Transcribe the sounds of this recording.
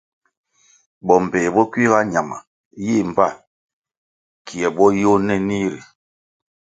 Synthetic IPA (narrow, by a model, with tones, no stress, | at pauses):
bɔ˨m̩˨pɛ˨bɔ˦ki˦ɣa˦ɲa˨ma̰˨ | ji˦˨m̩˨pa˦˨ | kʰi˨ɛ˨bɔ˦jo˦nɛ˦ni˦ɾi˨